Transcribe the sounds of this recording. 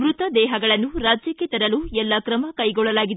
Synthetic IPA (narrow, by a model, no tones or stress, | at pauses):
ʋɾut̪ɐd̪ɛːɦɐɡɐɭɐnːuɾaːd͡ʒjɐkːet̪ɐɾɐluɛlːɐkɾɐmɐkɐjɡɔɭːɐlaːɡid̪e